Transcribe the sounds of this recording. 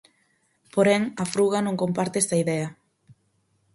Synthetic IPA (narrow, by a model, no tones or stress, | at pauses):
poɾɛŋɐfɾuɣɐnõŋkompaɾt̪eɛst̪aiðɛɐ